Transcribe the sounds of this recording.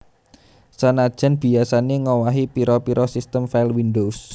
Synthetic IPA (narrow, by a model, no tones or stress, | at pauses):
sanad̥ʒ̥a̤nb̥i̤asaneŋɔwaɦipiɾɔpiɾʔɔsist̪əmfailwindos